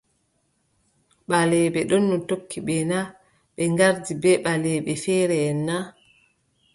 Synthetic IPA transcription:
ɓalɛɓɛɗɔnːɔtokʰːiɓɛna | ɓɛŋɡaɾdibɛɓalɛɓɛfɛːɾɛːnːa

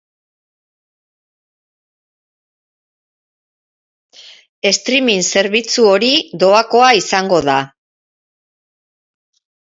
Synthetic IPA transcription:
e̞st̪ɾiminse̞ɾβit͡suo̞ɾiðo̞ako̞aisaŋɡo̞ða

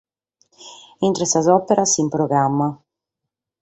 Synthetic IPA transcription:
int̪ɾesazɔpeɾasimpɾoɣɾamːa

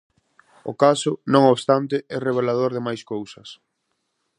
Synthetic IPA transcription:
ʊ̰kasʊnõŋoβst̪ant̪ɪɛreβ̞elað̞oɾðɪmajskowsɐs

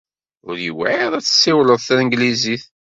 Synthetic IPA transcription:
ʊ̰ɾjə̰waðˤæt͡sːə̥sːiwləðˤθæəŋɡliziθ

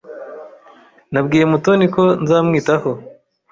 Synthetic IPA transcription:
nabɡiːje̞mutoniko̞nzaːmŋiːtaho̞

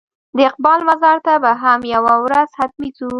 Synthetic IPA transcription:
d̪əɪq̚bɑlmazɑɾt̪abaɦamjawawɾaz̥hat̪mizu

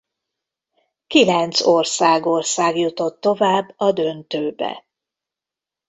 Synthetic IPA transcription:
kilɛnt̪sorsaːɡo̞rsaːɡjut̪o̞t̪ːo̞vaːbːɒd̪ø̞nt̪øːbɛ̰

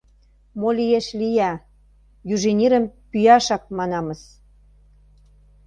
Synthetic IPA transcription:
molijeʃlijæ | jyʒenʲiɾə̆mpyjɑʃɑk̚mɑnɑmə̆s

